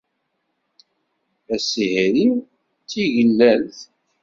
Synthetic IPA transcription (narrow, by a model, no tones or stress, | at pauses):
æsihæɾim | t͡sːiʝəlːælθ